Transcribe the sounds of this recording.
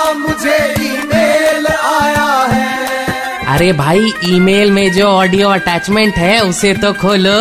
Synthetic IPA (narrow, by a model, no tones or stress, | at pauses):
mʊd͡ʒʱeiːmeːlaːjaɦɛ̃ː | ɐ̰ɾebʱaːiiːmeːlmẽd͡ʒoːɔːɖijoɐʈɛːt͡ʃmẽɳʈɦɛʊset̪okʰoːlo